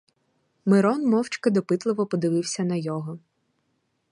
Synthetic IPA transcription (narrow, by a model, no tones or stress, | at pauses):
mɪɾɔnmɔwt͡ʃkɪd̪ɔpɪt̪lˠɪʋɔpɔd̪ɪʋɪwsʲɐnɐjɔɦɔ